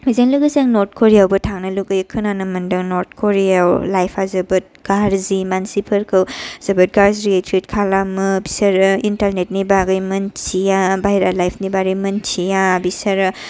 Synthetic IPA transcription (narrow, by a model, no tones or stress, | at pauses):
mizeŋlɯɡɯsaŋnoɾt̚kʰoɾijawbɯtʰaŋnɐluɡɯjkʰɯnanɐmɯndɯŋnoɾt̚ʰkʰoɾijawlajpʰazɐbɯt̚ɡ̥aɾzimansipʰɐɾkʰɯwz̥ɐbɯt̚ɡaɾziɾietɾit̚kʰalamɯbisɐɾɯintalnet̚nibaɡɯjmɐnt͡ʃijabajɾalajpʰnibaɾɯjmɐnt͡ʃʰijabisɐɾɯ